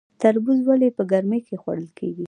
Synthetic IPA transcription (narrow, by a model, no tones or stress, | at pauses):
t̪aɾbuzwalepəɡaɾməjkʰexwa̰ɽəlkʰḛɡi